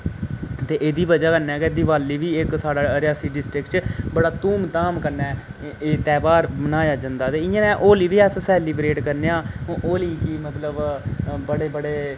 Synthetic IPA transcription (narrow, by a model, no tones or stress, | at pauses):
t̪eːʔeːd̪iːbəd͡ʒaːkənɛːked̪ɪʋaːliːʋiːɪksaːɽaːɾɪjaːsiːɖɪsʈɾɪkt͡ʃbəɽaːt̪uːmt̪aːmkəɾnɛːeːt̪ɛːbaːɾbənaːjaːd͡ʒə̃nd̪aːt̪eːɪãːnɛ̃ːʔoːliːʋiːɛssɛːliːbɾeːʈkəɾneːãːʔoːliːkimət̪ləbbəɽeːbəɽeː